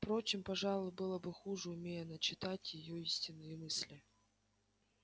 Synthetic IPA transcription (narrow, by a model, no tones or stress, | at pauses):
fpɾo̞t͡ɕɪmpɐʐɑlˠʊjbɨlˠəbɨxuʐɨʊmʲejənət͡ɕɪt̪atʲjɪjoisʲtʲɪnːɨjəmɨsʲlʲɪ